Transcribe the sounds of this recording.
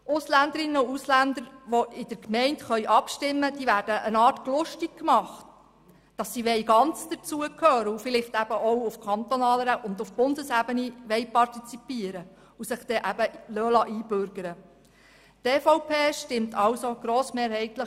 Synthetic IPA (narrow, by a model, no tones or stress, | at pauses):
ʔʊslænd̪əɾɪnːəuuslænd̪əɾʋoʔɪd̥əɾkmɛɪntχœʏjʔɑpʃtɪmːəd̥iːʋæːɾd̥əʔənɑːrtklʊʃtik̚kmɑχt | d̥ɑsːiʋɛjɡɑnt͡sd̥ət͡suəkʰhœːɾəufɪlɪχt̪æb̥əʔɔwufkʰɑnt̪ɔnɑːləɾəʔʊnd̪ʊfb̥ʊndəsæbəniʋɛjpɑrtit͡sipiːəɾə | usɪχd̥ɛʔæb̥əlølɑʔiːb̥øɾɡ̥əɾə | teːfoʊpʰeːʃtɪmtʰɑwsoɡ̥ɾoːsmeːɾhɛɪtlə